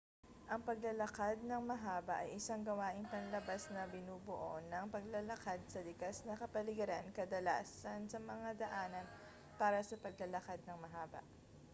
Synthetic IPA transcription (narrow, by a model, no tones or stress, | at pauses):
ʔɐŋpɐɡlɐlɐkad̪̚nɐŋmɐɦaːbɐʔɐjʔɪsaŋɡɐwaːʔɪŋpɐnlɐbasnɐbɪnuːbʊʔonɐŋpɐɡlɐlɐkad̪̚sɐlɪkasnɐkɐpɐlɪɡɐɾankɐd̪ɐla̰ːsɐnsɐmɐŋad̪ɐʔaːnɐn | paːɾɐsɐpɐɡ̚lɐlɐkad̪̚nɐŋmɐɦaːbɐ̰ʔ